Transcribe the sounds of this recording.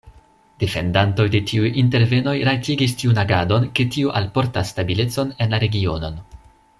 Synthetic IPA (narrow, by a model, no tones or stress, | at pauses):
d̥e̞fe̞̰ndanto̞jde̞tʰiujinte̞ɾve̞no̞jɾatiɡistiunaɡado̞nke̞tiuʔalpo̞ɾtasːtabile̞t͡so̞ne̞nlaɾe̞ɡio̞̰no̞n